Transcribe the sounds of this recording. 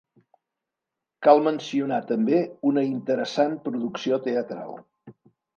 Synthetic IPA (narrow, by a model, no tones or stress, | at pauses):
kalˠmənsiunat̪əmbeunəint̪əɾəsanpɾuðuksiot̪eət̪ɾa̰lˠ